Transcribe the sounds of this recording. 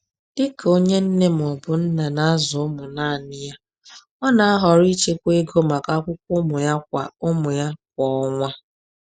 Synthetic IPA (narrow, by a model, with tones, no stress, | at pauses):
d̥ɪ˦ko˦ɲe˦n̩˦ne˦m̩˨ɔ˨bʊ˨n̩˦na˨na˦a˦zʊ˨ʊ˦mʊ˨na˦˨nɪ˦ja˦ | ɔ˦na˨a˦ɦɔ˨ɾi˦t͡ʃe˦kʷe˦ɡo˦ma˨ka˦kʷʊ˦kʷʊ˦mʊ˨ja˦k̚ʷa̰˨ʊ˦mʊ˨ja˦k̚ʷɔ˨ɔ˦ŋʷa˦